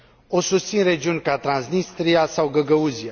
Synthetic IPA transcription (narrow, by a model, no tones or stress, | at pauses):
o̞sust̪sinre̞d͡ʒiunʲkat̪ɾansnist̪ɾijasawɡəɡəuzia